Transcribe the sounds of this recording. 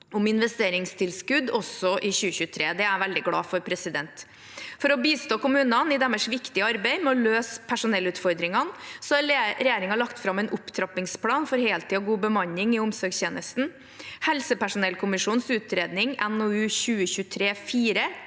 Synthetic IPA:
ʊmɪnʋɛst̪eːɾɪŋst̪ʰɪlskʉd̪ɔsɔʔɪçʉːəçʉːət̪ʰɾeːd̪ɛæɾʋɛld̪ɪɡɽɑ̰ːfɔɾpʰɾɛsɪd̪ɛnt̪ | fɔɾɔbiːst̪oːkʊmʉːnɑnɪd̪ɛmɛʂʋɪkt̪ɪɑɾbɛɪmɛɔløːspʰæʂʊnɛlːʉːt̪fɔɾd̪ɾɪŋɑnsɔɑɾɛjeːɾɪŋɑlɑkt̪fɾɑmɛnʔʊpt̪ʰɾɑpɪŋspʰɽɑːnfɔɾheːlt̪ʰiːɔɡuːbəmɑɲːɪŋɪʊmsɔɾɡst̪eːnəst̪n̩ | hɛlsəpæʂʊnɛlkʰʊmɪʂuːnsʉːt̪ɾeːd̪nɪŋɛnoːʉːɕʉːəçʉːt̪ʰɾeːfiːɾə

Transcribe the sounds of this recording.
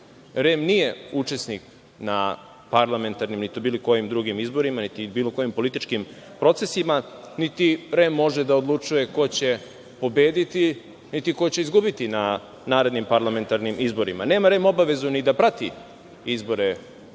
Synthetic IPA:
ɾemnije̞ut͡ʃe̞snik | na | paɾlˠame̞nt̪aɾnimnit̪obiːliko̞jimd̪ɾuɡimizbo̞ɾimanit̪ibiːloko̞jimpo̞lit̪it͡ʃkim | pɾo̞t̪se̞sima | nit̪iɾemːo̞ʒed̪aod̪lˠut͡ʂuje̞ko̞t͡ɕe̞ | po̞be̞ːd̪it̪i | nit̪iko̞t͡ɕeizɡubit̪ina | naːɾe̞d̪nimpaɾlˠame̞nt̪aɾnimizbo̞ɾima̰ne̞ːmaɾe̞mo̞baʋe̞zunid̪apɾat̪i | izbo̞ɾe

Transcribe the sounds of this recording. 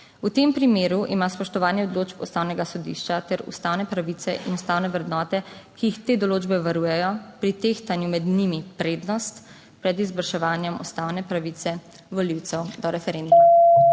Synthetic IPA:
ut̪empɾimeːɾuʔimaspɔʃt̪ɔʋaːnjɛɔd̪loːd͡ʒpust̪aːwnɛɡasɔd̪ḭːʃt͡ʃat̪ɛɾṵst̪aːwnɛpɾaʋiːt̪ɛʔinust̪aːwnɛʋɾɛd̪nɔːt̪ɛkiːxt̪eːd̪ɔloːd͡ʒbɛʋaɾuːjɛjɔpɾit̪eːxt̪anjumɛd̪nimipɾeːd̪nɔst̪ | pɾɛd̪izbəɾʃɛʋaːnjɛmṵst̪awnɛpɾaʋit̪sɛ | ʋɔliwt̪sɛwd̪ɔɾɛfɛɾend̪uma

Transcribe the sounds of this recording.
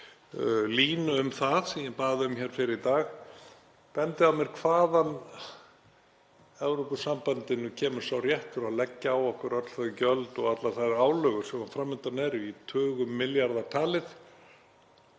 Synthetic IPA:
liːnʏʏmθað̥sɛjɛpaːðʏʏmçɛːɾ̥fɪɾɪit̪aːx | pɛnt̪ɪawmjɛɾ̥kʰvaːðan | ɛvɾɔpʏsampant̪ɪnːʏcʰɛːmʏɾ̥sawrjɛht̪ʏɾaðlɛcːaːwɔhkʏɾœt̪l̥θœðʏcœlt̪ɔɣat̪laθajɾaːwlœɣʏ̥sɛmhanfɾamːʏnt̪anɛɾit̪ʰœːɣʏmːɪljaɾðat̪ʰaːlɪθ

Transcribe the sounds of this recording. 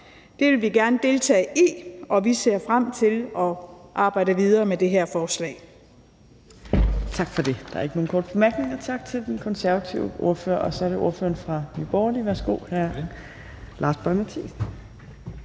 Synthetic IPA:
d̥e̝ʋe̝lʋiɡ̥æɐnəd̥e̝lt͡sʰɛ̰ːɪʔiɒ̽ʋise̝ɐ̰fʁam̰t͡sʰe̝lɒ̽ʔɑ̈ːb̥ɑ̈ɪ̰d̥əʋið̞ˠɐːmed̥e̝ɦæɐfɒːslɛ̰ː | t͡sʰɑ̈ɡ̥fɒ̽d̥e̝d̥ɑ̈æɐe̝ɡ̥əno̝ːn̩kʰɔ̰ːd̥̚b̥e̝mæɐɡ̥ne̝ŋɐt͡sʰɑ̈ɡ̥̚t͡sʰe̝ld̥enkʰɒ̽nsæɐʋæt͡sʰiʊəʔo̝ɐfø̰ːɐʔɒ̽sɒ̽ɐɾe̝o̝ɐfø̰ːɐnfʁɑ̈nyb̥ɒːliʋæɐsɡ̥o̝̰hæɐ̰ | lʔɑ̈ːsb̥ɒɪmæt͡sʰis

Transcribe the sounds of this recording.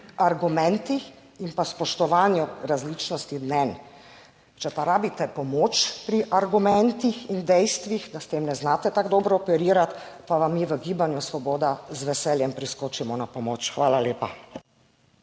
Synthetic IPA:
aɾɡumɛnt̪i | impaspɔʃt̪ɔʋaːnjuɾazliːt͡ʃnɔst̪id̪nɛn | t͡ʃɛpaɾaːbit̪ɛpɔmoːt͡ʃpɾiʔaɾɡumɛnt̪ixind̪ɛjst̪ʋixd̪ast̪eːmnɛznaːt̪ɛt̪aɡd̪ɔːbɾɔɔpɛɾiːɾat̪paʋamːiːʋəɡiːbanjusʋɔboːd̪azʋɛsɛljɛmpɾiskoːt͡ʃimɔnapɔmoːt͡ʃxʋaːlaleːpa

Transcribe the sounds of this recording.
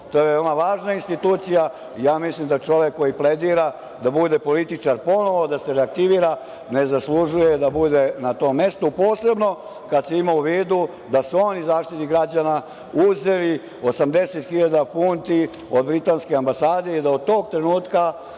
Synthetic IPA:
t̪oːjeʋeomaʋaːʒnainst̪it̪uːt̪sija | ijaːmislimd̪at͡ʃo̞ʋekːo̞jipled̪iːɾa | d̪abud̪e̞po̞lit̪it͡ʂaɾpo̞no̞ʋo̞d̪ase̞ɾeak̚t̪iʋiːɾa | ne̞zaslˠuʒuje̞d̪abud̪e̞nat̪o̞ːmːe̞st̪opo̞ːse̞bno̞ | kad̪seimauʋiːd̪u | d̪asuo̞nizaːʃt̪it̪iɡɾad͡ʑana | uzeɾi | o̞samd̪e̞set̪xiʎad̪apunt̪i | od̪bɾit̪anskeambasaːd̪e̞id̪aod̪̚t̪o̞ːɡ̚t̪ɾe̞nuːt̪ka

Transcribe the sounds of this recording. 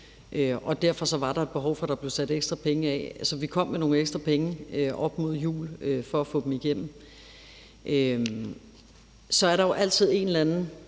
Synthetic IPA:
ʔøʔɒ̽d̥æɐfɒ̽sɒ̽ʋɑ̈ɾ̥ɑ̈e̝d̥̚b̥e̝ɦɒʊfɒ̽ɾ̥ɑ̈b̥le̝ʊsæd̥eɡ̥sd̥ʁɐpʰeŋəɛsɒ̽ʋikʰɒ̽m̰ːeno̝ːŋ̩eɡ̥sd̥ʁɐpʰeŋəøʔɒ̽b̥mo̝ð̞̰ˠjṵːløfɒ̽æfɔ̰̽ːd̥em̩iɡ̥em̰m̩ | ʔø | sɒ̽æɐɾɑ̈jo̝ʔæl̰t͡sʰið̞̰ˠe̝nlænn̩

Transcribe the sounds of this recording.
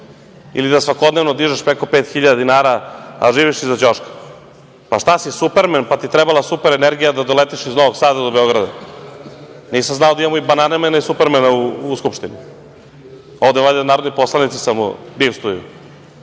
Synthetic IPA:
ḭlid̪asʋako̞d̪neʋnod̪iʒaʃpɾeko̞peːt̪xiʎad̪ad̪inaːɾaa̰ʒiːʋiʃizad͡ʑoʃkḁ | paʃt̪asisupeɾmenpat̪it̪ɾɛbalˠasupeɾeneɾɡijad̪ad̪o̞let̪iʃizno̞ʋoɡsaːd̪ad̪obeo̞ɡɾad̪a | niːsamznaod̪aimamoibananemenaisupeɾmenauːskupʃt̪ini | o̞vd̪evad̪enaːɾod̪nipo̞slanit̪si̥samṵd̪iʋst̪ujṵ

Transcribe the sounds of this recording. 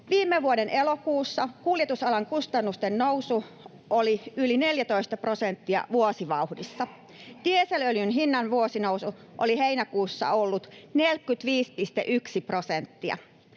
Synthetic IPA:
ʋiːmːeʋuodenʔelokuːsːɑkuljet̪usɑlɑŋkust̪ɑnːust̪ennousu | oliyline̞ljæt̪oist̪ɑpro̞sent̪ːiɑ̰ʋuosiʋɑuhdisːɑ | t̪ieseløljynɦinːɑnʋuosinowsu | ʔoliɦeinækuːsːɑ̰olːut̪nelkːˑyt̪ʋiːspist̪ḛʔyksiprosent̪ːiɑ̰

